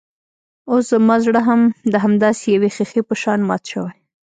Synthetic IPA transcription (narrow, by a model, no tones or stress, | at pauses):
os̬zəmɑzɽəɦamd̪əɦamd̪ɑsejawexexepəʃɑnmɑ̰t̪ʃəwaj